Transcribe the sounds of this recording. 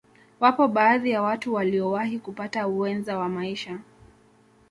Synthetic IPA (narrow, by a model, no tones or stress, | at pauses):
wapɔɓaːðijawatuwaliɔwaɦikupatauwɛnzawamaiʃa